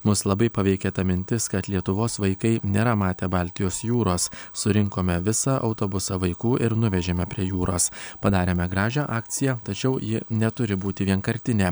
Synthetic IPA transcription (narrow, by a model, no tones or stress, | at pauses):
mʊslˠɐbɐɪpɐʋʲɛɪkʲeːt̪ɐmʲɪnʲt̪ʲɪskɐt̪lʲiɛt̪ʊʋoːsʋɐɪkɐɪnʲeːɾɐmɑːt̪ʲeːbɑlʲt̪ʲɪjoːsjuːɾoːssʊɾʲɪŋkoːmʲɛʋʲɪsɐʔɒʊt̪oːbʊsɐʋɐɪkuːʔɪɾnʊʋʲɛʒʲeːmʲɛpʲɾʲiɛjuːɾoːspɐd̪ɑːɾʲeːmʲɛɡɾɑːʒʲæʔɑːkt̪sʲɪjɛt̪ɐt͡ʃʲɛʊjɪnʲɛt̪ʊɾʲɪbuːt̪ʲɪʋʲiɛnkɐɾʲt̪ʲɪnʲeː